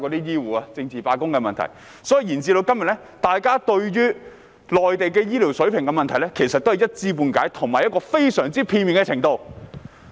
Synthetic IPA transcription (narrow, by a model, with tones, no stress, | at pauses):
kɔ˨˧t̪iː˥jiː˥wuː˨aː˧t͡sɪ˧ŋt͡siː˨paː˧kʊ˥ŋkɛ˧mɐ˨nt̪ʰɐ̰˨˩j | sɔː˨˥ji˨˧jiː˨˩nt͡siː˧t̪o˧wkɐ˥mjɐ˨t̚lɛ˥ | t̪aː˨jkaː˥t̪ɵ˧ɥjyː˥ | lɔː˨jt̪e˨jkɛː˧jiː˥liː˨˩wsɵ˨˥ɥpʰɪ˨˩ŋkɛ˧mɐ˨nt̪ʰɐ˨˩jlɛ˥kʰe˨˩jsɐ˨t̪̚o˥hjɐ˥t̚t͡siː˥puː˧nkaː˨˥jt̪ʰʊ˨˩ŋmaː˨jɐ˥kɔː˧fe˥jsœː˨˩ŋt͡siː˥pʰiː˧nmiː˨nkɛ˧t͡sʰɪ˨˩ŋt̪o˧w